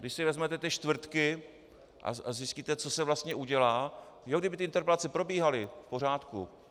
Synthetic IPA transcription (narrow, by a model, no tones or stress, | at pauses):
ɡdɪʃsɪvɛzmɛt̪ɛt̪ɪʃt̪vr̩t̪kɪ | ʔa̰azɪsciːt̪ɛt͡so̞sɛvlast̪ɲɛʔuɟɛlaː | joɡdɪbɪt̪ɪʔɪnt̪ɛɾpɛlat͡sɛpɾo̞biːɦalɪfpo̞r̝aːt̪kṵ